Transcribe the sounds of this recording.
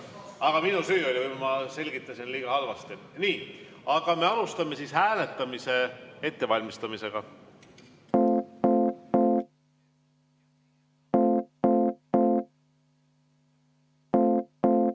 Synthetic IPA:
ɑɡ̥ɑminusyːolʲivɨjmɑse̞lʲɡ̥it̪ˑːɑsinliːɡ̥ɑɑlvɑst̪iniːɑɡ̥ɑme̞ɑlust̪ɑme̞sishæːle̞t̪ˑːɑmise̞e̞t̪ːe̞vɑlʲmist̪ɑmise̞ɡ̥ɑ

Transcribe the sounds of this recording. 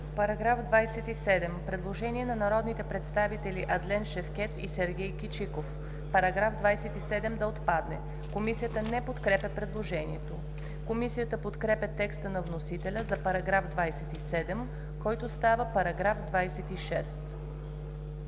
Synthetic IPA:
pɐɾɐɡɾafd̪vajsɛt̪isɛd̪ɛmpɾɛd̪lˠoʒɛniɛnɐnɐɾɔd̪nit̪ɛpɾɛt̪st̪avit̪ɛliʔɐd̪lɛnʃɛfk̟ɛt̪ḭsɛɾɡʲɛjkit͡ʃikof | pɐɾɐɡɾafd̪vajsɛt̪isɛd̪ɛmd̪ɐot̪pad̪nɛ | komisijət̪ənɛpot̪kɾɛpʲɛpɾɛd̪lˠoʒɛnḭɛt̪o | komisijət̪əpot̪kɾɛpʲɛt̪ɛkst̪ənɐvnosit̪ɛlʲəzɐpɐɾɐɡɾafd̪vajsɛt̪isɛd̪ɛm | kɔjt̪ost̪avəpɐɾɐɡɾafd̪vajsɛt̪iʃɛst̪

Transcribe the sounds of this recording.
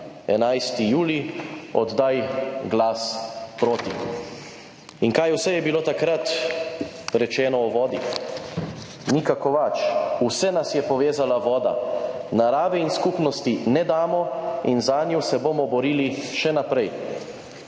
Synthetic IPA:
ɛnajst̪ijuːliɔd̪d̪ajɡlaːspɾoːt̪i | iŋkajwsɛjɛbiloːt̪akɾat̪ | ɾɛt͡ʃɛːnɔɔʋɔːd̪i | nikakɔʋat͡ʃusɛnasjɛpɔʋeːzalaʋɔːd̪a̰naɾaːʋɛinskuːpnɔst̪inɛd̪aːmɔinzaːnjuwsɛbomɔbɔɾiːliʃɛnapɾɛj

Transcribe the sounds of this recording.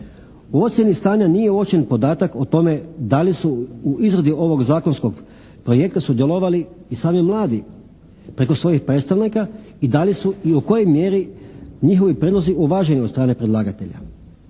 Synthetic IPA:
uo̞t̪sʲjenist̪aːɲanije̞ot͡ʃenpo̞d̪aːt̪akot̪o̞me̞d̪alisuuizɾed̪iʔo̞ʋo̞ɡzaːko̞nskoɡ | pɾoje̞k̚t̪asud̪jelo̞ʋaliːsaːmimlˠaːd̪i | pɾe̞ko̞sʋo̞jixpɾet̪st̪aʋnika | id̪alisuiuko̞jo̞jmje̞ɾiɲixo̞ʋipɾʲed̪lo̞ziʔuʋaːʒe̞niod̪st̪ɾaːne̞pɾed̪lˠaːɡat̪e̞ʎa̰

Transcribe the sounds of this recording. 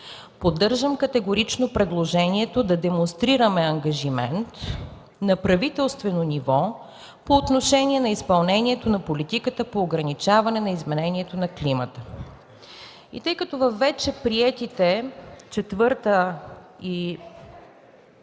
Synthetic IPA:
pod̪ːɤɾʒəmkɐt̪ɛɡoɾit͡ʃnopɾɛd̪lˠoʒɛniɛt̪od̪ɐd̪ɛmonst̪ɾiɾəmɛɐŋɡɐʒimɛnt̪ | nɐpɾɐvit̪ɛlˠst̪vɛnonivɔ | poːt̪noʃɛniɛnɐispɐlˠnɛniɛt̪onɐpolit̪ikət̪əpoːɡɾɐnit͡ʃavɐnɛnɐizmɛnɛniɛt̪onɐklimət̪ə | ḭt̪ɤjkət̪ovɐfːɛt͡ʃɛpɾiɛt̪it̪ɛt͡ʃɛt̪vɤɾt̪ə | i

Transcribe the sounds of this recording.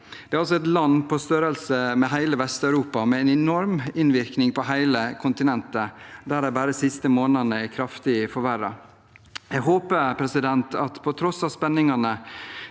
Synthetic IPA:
d̪̥ɛæɾɑls̬ɔɛt̪lɑnpʰɔst̪œɾəlsəmɛɦæɪləʋɛst̪ɑʉɾuːpɑmɛɛnɛnɔɾmɪnʋɪɾknɪŋpʰɔɦæɪləkʰʊnt̪ɪnɛnt̪əd̪æɖ̪æbæːɾəsɪst̪əmoːnənəɛkʰɾɑft̪ɪəfɔɾʋæɾːɑ̰ | jæɡɦoːpəɾpʰɾɛsɪd̪ɛnt̪ʰɑt̪pʰɔt̪ʰɾɔsɑʋspɛnːɪŋɑnə

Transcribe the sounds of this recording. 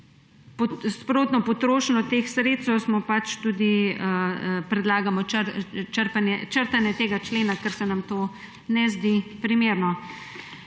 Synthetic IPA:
pspɾoːt̪nɔpɔt̪ɾoːʃnɔt̪eːxsɾeːsɛwsmɔpat͡ʃt̪uːd̪iəpɾɛd̪laːɡamɔt͡ʃəɾpanɛt͡ʃəɾt̪anjɛt̪eːɡat͡ʃleːnakɛɾsɛnamt̪oː | nɛzd̪ipɾimeːɾnɔ

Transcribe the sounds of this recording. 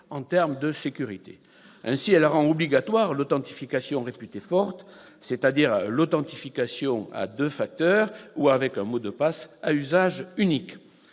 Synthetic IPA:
ɑ̃t̪ɛʁmd̪əsekʲyʁit̪ḛ | ɛ̃siɛlʁɑ̃ɔbliɡat̪waʁlɔt̪ɑ̃t̪i̥fikasjɔ̃ʁepyt̪efɔʁt̪set̪ad̪iʁlɔt̪ɑ̃t̪ifikasjɔ̃a̰d̪øfak̚t̪œʁuavɛkɛ̃mod̪əpasayzaʒynik

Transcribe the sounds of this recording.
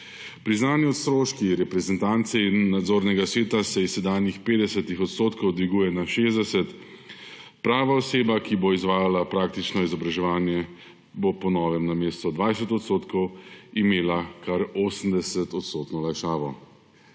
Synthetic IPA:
pɾiznaːnjɛɔt̪st̪ɾoːʃkiɾɛpɾɛzɛnt̪aːnt̪sɛinːad̪zoːɾnɛɡasʋeːt̪asɛissːɛd̪aːnjixpeːd̪ɛsɛt̪ixɔt̪st̪oːt̪kɔwd̪ʋiɡuːjɛnaʃeːzd̪ɛsɛt̪ | pɾaːʋaɔseːbakiboizʋaːjalapɾaːk̚t̪it͡ʃnɔizɔbɾaʒɛʋaːnjɛ | bopɔnɔːʋɛmnameːst̪ɔd̪ʋaːjsɛt̪ɔt̪st̪oːt̪kɔwimeːlakaɾoːsmd̪ɛsɛt̪ɔt̪st̪oːt̪nɔlajʃaːʋɔ

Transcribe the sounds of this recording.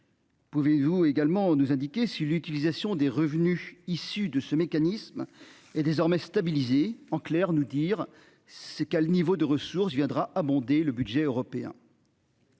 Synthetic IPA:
puvevueɡalmɑ̃nuzɛ̃d̪ikʲesilyt̪ilizasjɔ̃d̪eʁəvnyisyd̪əsəmekanism | ɛd̪ezɔʁmɛst̪abilizeɑ̃klɛʁnud̪iːʁ | ssəkɛlnivod̪əʁəsuʁsvjɛ̃d̪ʁaʔabɔ̃d̪eləbyd̪ʒɛøʁɔpeɛ̰̃

